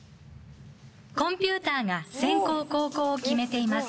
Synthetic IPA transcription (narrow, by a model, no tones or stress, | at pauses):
kõ̞mpʲɨ̟ːt̪aːŋasẽ̞ŋko̞ːko̞ːko̞ːokʲime̞t̪e̞imasɨ̥